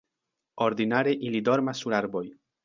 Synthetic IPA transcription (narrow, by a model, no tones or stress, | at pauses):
o̞ɾd̪inaɾeʔilido̞ɾmasːuɾaɾbo̞j